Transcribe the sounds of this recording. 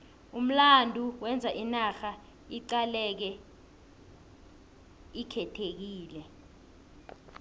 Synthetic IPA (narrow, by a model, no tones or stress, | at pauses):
um̩landʱuwɛnd͡zʱaʔinaxa | iǃalɛk̬ɛ | ikʰɛtʰek̬iːlɛ